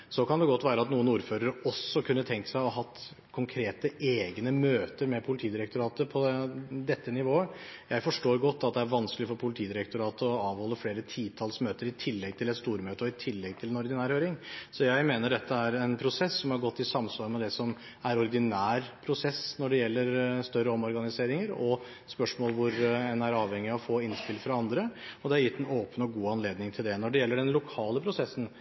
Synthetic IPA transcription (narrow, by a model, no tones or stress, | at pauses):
sɔkɑnd̪ɛɡɔt̪ːʋæːɾəɑt̪nuːənuːɾføːɾəɾəɔsːɔkʰʉnːət̪ʰɛŋk̪ə̥sæɪɔɦɑt̪ː | kʰʊŋkʰɾeːt̪əʔeːɡnəmøːt̪əɾmɛpʰʊlɪt̪ʰiːd̪ɪɾɛkt̪ʊɾɑːt̪əpʰɔd̪ɛt̪ːənɪʋoːəjæɪfɔʂʈoːɾɡɔt̪ːɑt̪̚d̪ɛæɾʋɑnsklɪɔfɔpʰʊlɪt̪ʰiːd̪ɪɾɛk̚t̪ʊɾɑːt̪əɔɑːʋhɔlːəfleːɾət̪ʰiːt̪ʰɑlsmøːt̪əɾɪt̪ʰɪlːɛɡ̚t̪ʰɪlɛt̪st̪uːɾmøːt̪əɔɪt̪ʰɪlːɛɡ̚t̪ʰɪlɛnɔɾd̪ɪnæːɾhøːɾɪŋsɔjæɪmeːnəɖɛt̪ʰːəæɾɛnpʰɾʊsɛsːɔmhɑɾɡɔt̪ːɪsɑmsʋɑɾmɛd̪ɛsɔm | æɾɔɾd̪ɪnæːɾpʰɾʊsɛsnɔɖɛjɛlːəɾst̪œɾːəɔmɔɾɡɑnɪseːɾɪŋəɾɔ | spœʂmoːlʋʊɾɛnæɾɑːʋhɛŋːɪɑfoːɪnspɪlfɾɑɑnd̪ɾəɔd̪ɛæɾjɪt̪ːɛnoːpənɔɡuːɑnleːd̪nɪŋt̪ʰɪld̪ɛnɔɖɛjɛlːəɖɛnlʊkʰɑːləpʰɾʊsɛsːən̩